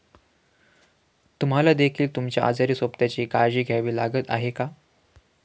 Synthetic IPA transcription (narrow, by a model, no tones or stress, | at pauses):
t̪um̤alad̪ekʰiːlt̪umt͡ɕjaʔa̰d͡zaɾiːsopt̪jat͡ɕiːkaɾd͡ʑiːɡʱjaʋiːlaɡət̪a̰ɦeka